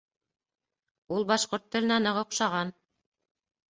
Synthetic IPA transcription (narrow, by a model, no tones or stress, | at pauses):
ulˠbɑʃqoɾt̪ːɘ̆lʲɘ̆nænɤʁŏqʃɑʁɑn